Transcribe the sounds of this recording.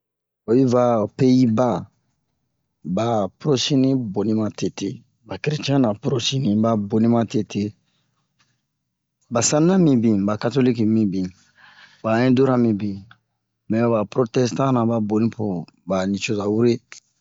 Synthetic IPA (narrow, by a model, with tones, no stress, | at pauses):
o˨ju˦va˦pe˦ji˦ba˦ | ba˨puɾo˦si˦nĩ˦bo˨ni˦mã˦te˨te˦˨ | ba˨ki˨ɾi˨t͡ʃɛ̃˦na˨pɾo˦si˦nĩ˨ba˨bo˨nĩ˦mã˦te˦tʰe˦ | ba˨sã˦ni˦na˦mĩ˦bĩ˨ba˨ka˦to˦li˦ki˨mĩ˦bĩ˨ | ba˨ɛ̃˦do˦ɾa˦mĩ˨bĩ˨ | mɛ̃˨ba˨pɾo˦tɛ˦stã˦na˨ba˦bo˨nĩ˦po˨ | ba˨ni˨t͡ʃo˦za˨wu˦ɾe˦